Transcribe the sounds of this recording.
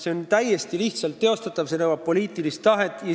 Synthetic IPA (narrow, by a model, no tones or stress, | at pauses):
se̞ont̪æjest̪iliht̪sɑlt̪ːe̞o̞st̪ɑt̪ːˑɑv̥senɤwɑpo̞liːt̪ˑilist̪ːɑɦe̞t̪ːˑjɑ